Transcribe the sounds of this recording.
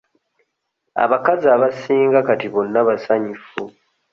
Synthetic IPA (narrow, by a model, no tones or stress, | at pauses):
a̰βakazaβasiːŋɡakatiβo̞nːaβasaɲifu